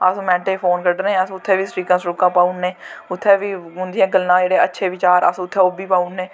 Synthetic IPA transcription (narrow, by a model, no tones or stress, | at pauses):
əsũːmɛ̃ːɳʈeːpʰoːnkəɖnẽːəsʊt̪ʰːeːʋiːsɾiːkãːsɾʊkãːpaːunːẽːʊt̪ʰːeːʋiːɦʊ̃nd̪ɪjãːɡəlnãːd͡ʒeːɽeːətːʃʰeːʋɪt͡ʃaːɾə̰sʊt̪ʰːeːoːbiːpaːunːeː